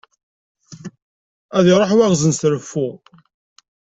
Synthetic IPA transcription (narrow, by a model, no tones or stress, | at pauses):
æðiɾˤoħwæʁzənsɾəfːʊ